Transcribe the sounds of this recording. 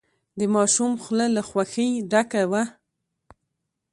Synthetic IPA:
d̪əmɑʃumxləlaxwaxəjɖakawa

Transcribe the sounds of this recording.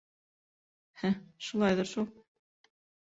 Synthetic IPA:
hæʃulˠɑjðɤɾʃulˠ

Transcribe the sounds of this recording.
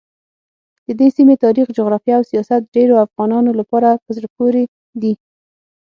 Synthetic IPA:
d̪əd̪esimet̪ɑɾixd͡ʒoɣɾɑfjaːwsijɑsat̪̚ɖeɾoafɣɑnɑnolapɑɾapəzɽapoɾe | d̪i

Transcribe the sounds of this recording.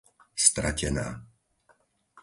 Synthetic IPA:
st̪ɾacɛna̰ː

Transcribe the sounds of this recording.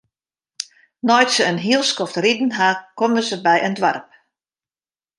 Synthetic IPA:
nɔjtsəənɦiəlˠskɔftridn̩ɦakɔməzəbɛjʔəndʋa̰rp̚

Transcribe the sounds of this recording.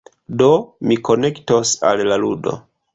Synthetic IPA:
do̞miko̞ne̞ktosa̰lːaludo̞̰

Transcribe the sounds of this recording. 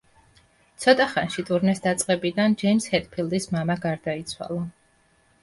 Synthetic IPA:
t̪sʰɔt̪ʼaχanʃit̪ʼuɾnɛsd̪at̪sʼqʼɛbid̪and͡ʒɛjmshɛt̪ʼpʰilˠd̪ismamaɡaɾd̪ait̪sʰwa̰lˠɔ

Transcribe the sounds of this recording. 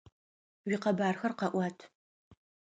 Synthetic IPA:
wiːqɐbaːrxɐrqɐʔʷɑːtʰ

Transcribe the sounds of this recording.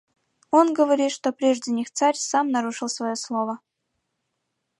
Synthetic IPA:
o̞nɡəvɐɾʲit̪ʂt̪o̞pɾʲeʐdʲɪnʲixt̪saɾʲsamnɐɾuʂɨlˠsvɐjo̞slˠo̞və

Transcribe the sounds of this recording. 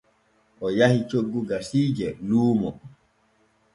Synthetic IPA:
ʔɔjahit͡ʃoɡːuɡasiːd͡ʒɛluːmɔ

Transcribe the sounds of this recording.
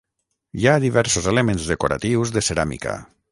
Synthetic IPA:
jaðiβɛɾsozelemẽnzðekoɾa̰t̪iwzðeseɾamḭka̰

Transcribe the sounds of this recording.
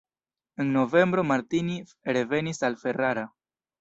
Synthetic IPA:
enno̞ve̞mbɾo̞maɾtini | ɾe̞ve̞nisalfe̞raɾa

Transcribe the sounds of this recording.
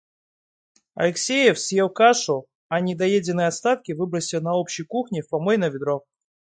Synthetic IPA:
ɐ̰lʲɪksʲejɪfsʲjewˠkaʂʊ | ɐnʲɪd̪ɐjedʲɪnɨjɐt̪st̪at̪kʲɪvɨbɾəsʲɪlˠnɐopɕɪjkuxnʲɪfpamojnəvʲɪd̪ɾo

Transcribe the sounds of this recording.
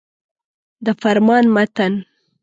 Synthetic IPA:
d̪əfaɾmɑnmat̪an

